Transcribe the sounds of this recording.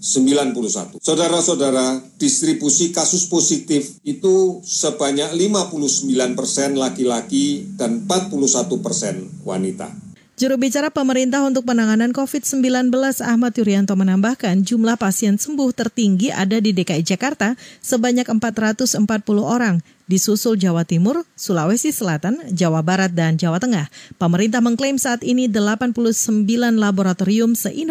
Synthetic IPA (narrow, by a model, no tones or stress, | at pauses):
səmbilanpulusa̰t̪usadaɾasadaɾad̥ist̪ɾibusikasʊsposit̪ɪfit̪usəbaɲak̚limapuluhsəmbilanpərsɛnlakilakidanmpat̪̚puluhsat̪upərsɛnwa̰nit̪a̰ | d͡ʒuɾuhbit͡ʃaɾapəməɾint̪aɦunt̪ʊk̚pənaŋanankofɪt̪səmbilanbəlasahmat̪juɾiant̪omənambahkand͡ʒumlahpasiɛnsəmbʊht̪ərt̪iŋɡiʔa̰dadidekaid͡ʒakart̪asəbaɲakəmpat̪rat̪ʊsəmpat̪̚pulʊɦoɾaŋ | disusʊld͡ʒawat̪imʊrsulawɛsisəlat̪and͡ʒawabaɾat̪̚dand͡ʒawat̪əŋahpəməɾint̪ahməŋklemsaːt̪inidəlapanpuluhsəmbilanlaboɾat̪oɾiʊmsəʔin